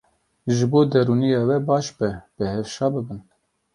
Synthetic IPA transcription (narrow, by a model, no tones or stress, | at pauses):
ʒɨboːd̪ɛɾuːnijɑːwɛbɑːʃbɛb̥ɨhɛfʃɑːbɨbɨn